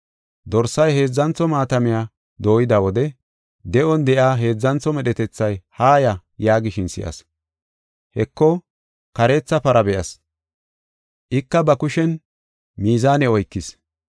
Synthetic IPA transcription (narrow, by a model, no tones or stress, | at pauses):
d̪ɔɾsːɐjɦe̞ːd͡zːɐnt͡sɔmaːt̪ɐmɪjaː | d̪o̞ːjɪd̪ɐwɔd̪ɛ | d̪ɛʔɔnd̪ɛʔjaːɦe̞ːd͡zːɐnt͡sːɔmɛɗɛt̪ɛt͡sːɐjhaːjɐ | jaːɡɪʃɪnsɪ̰ʔɐ̰s | hɛkːɔ | kɐɾe̞ːt͡sːɐpɐɾɐbɛʔɐs | ʔɪkːɐbɐkʊʃɛn | miːzaːnɛɔjkːɪs